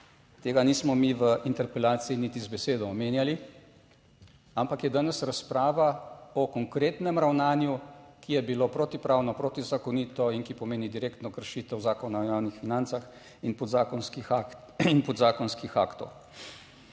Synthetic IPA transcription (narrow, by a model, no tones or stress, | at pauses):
t̪eːɡaniːsmɔmiʋəʔint̪ɛɾpɛlaːt̪siinit̪izbɛseːd̪ɔːmeːnjali | ampakjɛd̪aːnɛsɾaspɾaːʋaɔkɔŋkɾeːt̪nɛmɾawnaːnjukijɛbiloːpɾoːt̪ipɾaːwnɔpɾoːt̪izakɔniːt̪ɔinkipɔmeːnid̪iɾeːkt̪nɔkəɾʃiːt̪ɛwzaːkɔnajaːwnixfinant̪sax | inpɔzakɔnskix | inpɔd̪zaːkɔnskixa̰ːkt̪ɔ̰w